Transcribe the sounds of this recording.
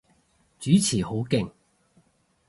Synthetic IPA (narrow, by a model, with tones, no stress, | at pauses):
t͡syː˨˥t͡sʰiː˨˩ho˨˥wkɪ˧ŋ